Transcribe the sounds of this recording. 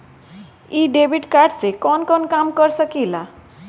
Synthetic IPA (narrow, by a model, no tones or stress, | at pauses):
iɖebʱiʈkaɾɖsekɔnkɔnkamkʌɾsəkila